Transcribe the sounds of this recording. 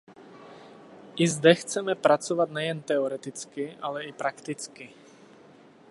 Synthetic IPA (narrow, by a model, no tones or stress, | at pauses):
ʔizd̪ɛxt͡sɛmɛpɾat͡sɔʋad̪nɛjɛnt̪ɛɔɾɛt̪it͡skialɛipɾakt̪it͡ski